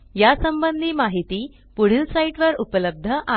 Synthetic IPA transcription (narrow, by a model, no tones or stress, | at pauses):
jasəmbənd̪ʱiːmaɦit̪iː | puɽ̤ilsaiʈʋəɾupələb̚d̪ʱəʔa